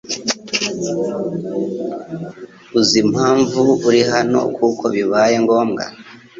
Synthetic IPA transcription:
uzim̥haːɱvuuɾiɦano̞̰kukʰo̞βiβaːje̞ŋɡo̞ːmɡa̰

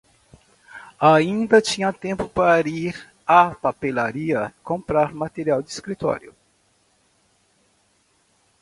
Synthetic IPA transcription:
aĩnd̪ɐt͡ʃĩɲɐt̪ẽmpʊpaɾiɾ | apapelaɾiɐkõmpɾaɾmat̪eɾiawd̪ɪiskɾit̪ɔ̰ɾjʊ̰

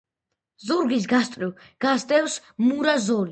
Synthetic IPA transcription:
zuɾɡis̬ɡast̪ʼɾiw | ɡ̥asd̪ʼɛws | muɾazɔli

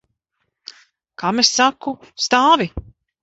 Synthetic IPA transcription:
kamesːakust̪aːvi

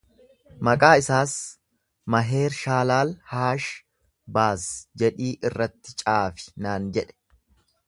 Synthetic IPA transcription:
mɐkʼaːɪsaːs | mɐɦe̞ːɾʃaːlaːlhaːʃ | baːsd͡ʒɛᶑiːʔɪrːɐt̪ːɪt͡ʃʼaːfɪ̥naːnd͡ʒɛᶑɛ̥

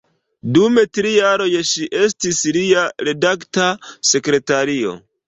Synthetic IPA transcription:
dume̞tɾijaɾo̞jʃiʔe̞stisliaɾe̞daktase̞kɾe̞taɾio̞̰

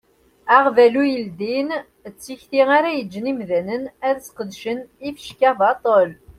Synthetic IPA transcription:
æʁvælujəld̪in | ət͡sːiçθiʁaɾæjəd͡ʒːənimðænənæðsqəd̪ʃənifə̥ʃkævɑt̪ˤəl

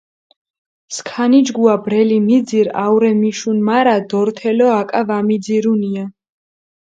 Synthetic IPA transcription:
skʰanid͡ʒɡuabɾɛlimid̪ziɾa̰wɾɛmiʃunmaɾad̪ɔɾt̪ʰɛlɔakʼavamid̪ziɾunia

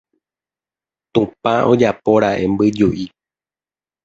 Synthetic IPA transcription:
t̪ũpãʔo̞d͡ʒapoɾaʔe̞mbɨd͡ʒuʔi

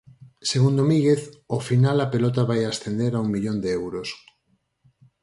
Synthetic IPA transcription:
seɣund̪omĩŋɣeθofinalapelɔt̪aβajasθend̪eɾauŋmiʎond̪eewɾos

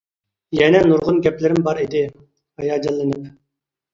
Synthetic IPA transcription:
jɛnɛnuɾʁʊnɡʲɛplɪɾɪmbɑɾid̪ɪ | hɑjɑːd͡ʒɛlːɨnɪp

